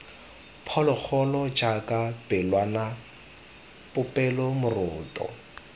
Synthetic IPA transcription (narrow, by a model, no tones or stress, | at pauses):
pʰɔlɔk͡xʰɔlɔd͡ʒakʼab̥ɪlwana | pʼʊpʼɛlɔmʊrʊːtʼɔ̰